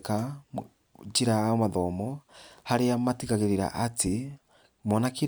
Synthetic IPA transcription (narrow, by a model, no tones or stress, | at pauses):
ka | d͡ʒiɾaamaðɔmɔhaɾeamatiɣaɣeɾeɾa̰ʔate | mɔnaki